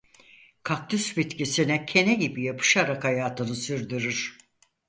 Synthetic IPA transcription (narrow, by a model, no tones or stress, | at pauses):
kʰak̚t̪ʰysbit̪cisinɛcʰe̞nɛɟibijapʰɯ̥ʃaɾakajaːt̪ʰɯnɯsyɾd̪yɾyɾ̥